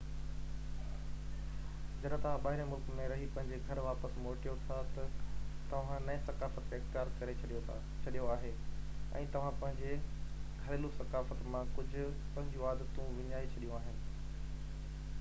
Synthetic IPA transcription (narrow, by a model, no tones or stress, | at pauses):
d͡ʑɐɗãt̪ɐʋ̤ãɓaːɦɪɾẽmʊlkmẽɾɐɦipɐ̃ɦɪ̃ɲ̆d͡ʑeɡʱɐɾʋaːpəsmoːʈijot̪ʰat̪ɐt̪ɐʋ̤ãnɐẽsɐkaːfət̪ːeɪxt̪ijaːɾkɐɾet͡ɕʰɐɗijo | t͡ɕʰɐɗijoaːɦeɛ̰̃ːt̪ɐʋ̤ãpɐ̃ɦɪ̃d͡ʑeɡʱɐɾelũsɐkaːfət̪mãkʊd͡ʑʱʊ̆ | pɐ̃ɦɪ̃ɲd͡ʑũaːd̪ət̪ũʋɪɲaːit͡ɕʰɐɗijũaːɦɪnɪ̆